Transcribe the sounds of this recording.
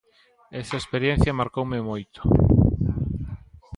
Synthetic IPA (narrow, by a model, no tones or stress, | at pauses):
ɛsɐespeɾjɛn̟θjɐmaɾkowmemojt̪o̥